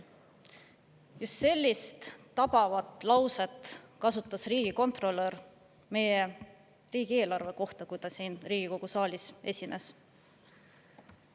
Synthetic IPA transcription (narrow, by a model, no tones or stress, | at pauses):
just̪se̞lʲːist̪ː | ɑbɑvɑt̪ˑlɑwset̪kɑsut̪ˑːɑsriːɡ̥iko̞nt̪ˑro̞lːer | me̞je | riːɡ̥ieːlɑrve̞ko̞ht̪ɑkujt̪ɑsiːnriːɡ̥iko̞ɡ̥usɑːlʲisʔe̞sʲine̞s